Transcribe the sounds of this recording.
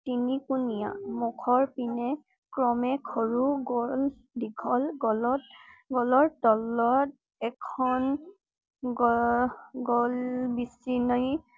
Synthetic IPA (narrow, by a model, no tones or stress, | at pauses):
tinikunija̰mɔkʰɔɹpinɛ | kɹɔmɛkʰɔɹuɡɔl | dikʰɔlɡɔlɔtɡɔlɔɹtɔlɔt̚ | ɛkʰɔn | ɡɔ | ɡɔlbisinɔj